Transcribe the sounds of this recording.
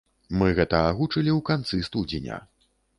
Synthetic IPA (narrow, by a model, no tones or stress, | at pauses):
mɨɣɛt̪ɐaɣut͡ʂɨlʲiwkant̪sɨst̪ud͡zʲinʲa̰